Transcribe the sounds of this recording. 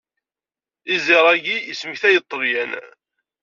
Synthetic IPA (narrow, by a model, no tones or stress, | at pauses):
iziɾˤæɡijəsməçθæjət̪ˤːəvjæn